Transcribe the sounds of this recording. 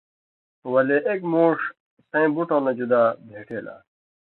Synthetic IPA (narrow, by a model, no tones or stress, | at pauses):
wɐleʔekmoːʂ | sɐ̃ĩbuʈõːnɐd͡ʑud̪aːbʱeːʈʰeːla̰ː